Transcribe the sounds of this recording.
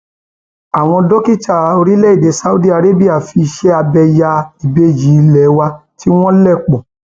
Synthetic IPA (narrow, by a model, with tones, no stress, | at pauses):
a˨w̃ɔ̃˧dɔ˦ki˦˨t͡ʃa˦˨o˧ɾi˦lɛ˦i˦˨de˨˦sa˦u˦di˦a˧ɾe˦bi˦a˦˨fi˧ʃɛ˦a˧bɛ˧ja˧i˨be˧d͡ʒi˨˦˧lɛ˨˦wa˧ti˦w̃ɔ̃˦lɛ˦˨k͡pɔ̃˨